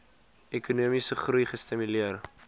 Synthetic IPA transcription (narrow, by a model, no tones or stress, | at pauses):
ɛkunuəmisəχrujχəstimyliər